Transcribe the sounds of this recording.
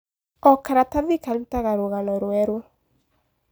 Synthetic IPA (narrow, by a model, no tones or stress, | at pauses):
ɔkaɾataðikaɾutaɣaɾoɣanɔɾwɛɾwɔ